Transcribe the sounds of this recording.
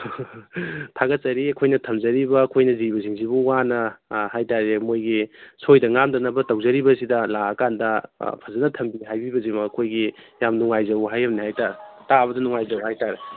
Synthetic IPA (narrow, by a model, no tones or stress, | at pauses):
tʰaɡɐt̚sɐɾiɐkʰojnɐtʰɐmzɐɾibɐːkʰojnɐzibɐsiŋzibuwanɐhajtaɾemojɡisʰojdɐŋamdɐnɐbɐtɐwzɐɾibɐsidɐlaɐkandɐpʰɐzɐnɐtʰɐmbiɦajbibɐzimakʰojɡijamnuŋajzɐwɦajɐmnihajtaɾtaβɐdɐnuŋajzɐwhajtaɾe